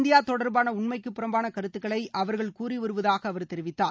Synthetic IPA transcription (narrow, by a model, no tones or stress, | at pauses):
nd̪ɪjaːt̪ɔɽɐɾbaːnɐʊɳmɐɪkːɯpːɪɾɐmbaːnɐkɐɾɯt̪ːɯkːɐɭɐɪʔɐʋɐɾɣɐɭkuːriʋɐɾɯʋɐðaːɣɐːʋɐɾt̪ɛɾɪʋɪt̪ːaː